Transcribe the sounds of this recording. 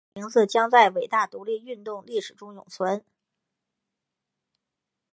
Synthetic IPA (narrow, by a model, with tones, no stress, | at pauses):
i˧˥ŋt͡sɹ̩˥˧t͡ɕjɑ˥ŋt͡sa˥˩ɪwe˨˩ɪt̪a˥˩t̪u˧˥li˥˧y˥˧nt̪ʊ˥˧ŋli˥˩ʂɻ̩˨˩ʈ͡ʂʊ˥ŋjʊ̰˨˩ŋt͡sʰwə˧˥n